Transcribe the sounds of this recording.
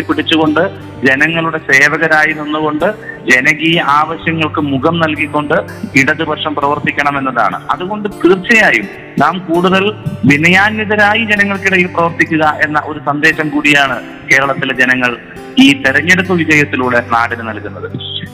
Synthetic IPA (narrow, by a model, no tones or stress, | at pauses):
piɽit͡ɕːuɣo̞ɳɖɨ | d͡ʑe̞nɐŋːɐɭuɽe̞se̞ːʋɐɣɐɾaːjinonːuɣo̞ɳɖɨd͡ʑe̞nɐɣijɐaːʋɐɕjɐŋːɐɭkɨmuɣɐmnɐlkikʲːo̞ɳɖɨ | iɽɐðɨbɐrʂɐmprɐʋɐrt̪ikʲːɐɳɐme̞nːɐða̰ːɳɨ̰ɐðuɣo̞ɳɖɨkirt͡ɕɐjaːjum | naːmkuːɽuðɐlʋinɐjaːnjɐðɐɾaːjid͡ʑe̞nɐŋːɐɭkiɽɐjilprɐʋɐrt̪ikʲːuɣɐʔe̞nːɐʔo̞ɾusɐnd̪e̞ːɕɐmkuːɽijaːɳɨ | ke̞ːɾɐɭɐt̪ːiled͡ʑe̞nɐŋːɐɭ | iːt̪eɾɐɲːeɽup̪ːɐʋid͡ʑɐjɐt̪ːiluːɭena̰ːɽinɨnɐlkunːɐðɨ